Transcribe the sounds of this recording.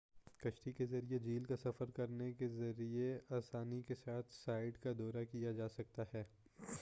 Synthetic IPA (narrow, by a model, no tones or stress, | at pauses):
kɐʃʈikezɐɾied͡ʒiːlkasɐfəɾkɐɾnekezɐɾieaːsaːnikesaːt̪ʰsaːɪɖkad̪ɔːɾakijad͡ʒaːsɐk̚t̪aɦɛː